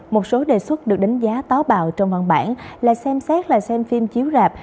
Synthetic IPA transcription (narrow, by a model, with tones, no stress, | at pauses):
mo˨˩t̚so˨˦ɗe˨˩swə˦˥t̚ɗɨ˨˩ək̚ɗa˨˦ŋ̟zaː˨˦t̪aː˨˦wɓaː˨˩wt͡ɕɔ˧wŋ͡mvə̰˨˧˩nɓa̰ː˧˩nla̰ː˧˨jsɛ˧msɛ˦˥t̚laː˨˩sɛ˧mfi˧mt͡ɕi˨˦əwzaː˨˩p̚